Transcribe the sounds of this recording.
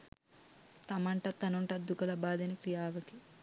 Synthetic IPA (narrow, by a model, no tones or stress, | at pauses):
t̪ɐmɐɳʈɐt̪ɐnuɳʈɐd̪ukɐlɐbaːd̪ɐnikɾijaːʋɐk̪i̥